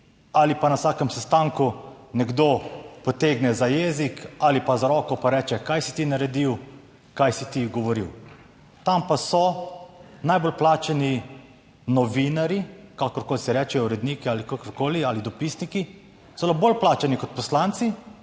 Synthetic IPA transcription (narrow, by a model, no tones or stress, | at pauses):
alipanasaːkɛmsɛst̪aŋkunɛɡd̪opɔt̪eːɡnɛzajezikalipazaɾɔːkɔpaɾɛːt͡ʃɛkajsi̥t̪inaɾɛd̪iw | kajsit̪iɡɔʋɔɾḭw | t̪ampasɔ | najbolplaːt͡ʃɛni | nɔʋinaɾikakɔɾkoːlisɛɾɛːt͡ʃɛjɔuɾɛd̪niːkialikakɔɾkoːlialid̪ɔpisniki | sɔlɔbolplaːt͡ʃɛnikɔt̪̚pɔslant̪si